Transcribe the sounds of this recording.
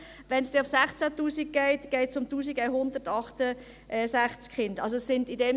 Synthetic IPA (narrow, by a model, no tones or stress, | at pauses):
ʋɛnsd̥ɛʊfsæχt͡sætuːsik̚ɡ̥ɛɪtɡ̥ɛɪtsʊmtuːsiɡɛɪɦʊnd̪əɾtɑχtə | ʔɛsæχt͡skχɪndɑls̬osːɪndidɛm